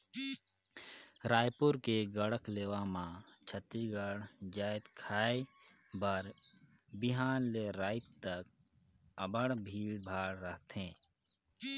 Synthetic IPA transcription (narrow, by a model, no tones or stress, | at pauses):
ɾaːjpʊɾkeɡəɽəkleːʋamãt͡ʃʰət̪ːiɡəɽd͡ʒaːɪd̪kʰaːe | bəɾ | bɪɦaːnleɾaːɪt̪t̪ək̚ | əbəɽbʱiːlbʱaːɽɾəɦt̪ɦẽː